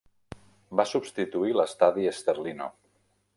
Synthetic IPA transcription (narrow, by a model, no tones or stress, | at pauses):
basubst̪it̪uiləst̪aðiəst̪əɾlino̰